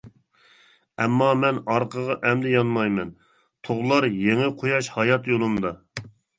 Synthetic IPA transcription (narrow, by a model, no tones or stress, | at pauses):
ɛmːɑmɛnɑɾqʰəʁɑʔɛmd̪ɪjɑnmɑjmɛn | t̪ʰoʁlˠɑɾjeŋɪqʰojɑʃhɑjɑt̪jolˠumd̪ɑ